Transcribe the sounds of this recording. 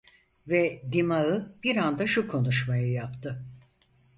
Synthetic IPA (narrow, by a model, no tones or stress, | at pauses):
vɛd̪imaɯb̥iɾand̪aʃukʰo̞nuʃmajɯjapt̪ʰɯ